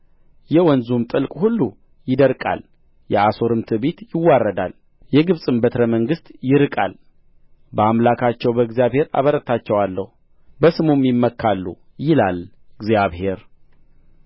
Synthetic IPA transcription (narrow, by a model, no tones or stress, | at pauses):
jɛwɔnzumt̪ʼɨlkʼhulːu | jɪd̪əɾkʼa̰l | jɛaso̞ɾɨmt̪ʰɨbet̪jɪwːarːəd̪a̰l | jɛɡɨβsʼɨmbət̪ʰɾəməŋɡɨst̪jɪɾɨkʼa̰l | bəamlakʰat͡ʃːɛwbəɡzijaβhe̞ɾa̰βəɾət̪ʰat͡ʃːɛwalːəhu | bəsɨmumjɪmːəkʰːalːṵ | jɪlal | ɨɡzjaβhe̞ɾ